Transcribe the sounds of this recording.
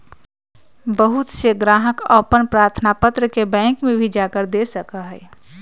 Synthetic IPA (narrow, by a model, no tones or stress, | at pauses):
bəɦut̪seɡɾaːɦəkɔpənpɾaːɾt̪ʰnapət̪ɾəkebɛ̃ːŋkmẽbʱid͡ʒakəɾd̪esəkaɦɛː